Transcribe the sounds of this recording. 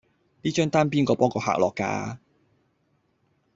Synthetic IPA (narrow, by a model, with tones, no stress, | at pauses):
niː˥t͡ʃœː˥ŋt̪aː˥npiː˥nkɔː˧pɔː˥ŋkɔː˧ha̰ː˨k̚lɔ̰ː˨kːa̰ː˧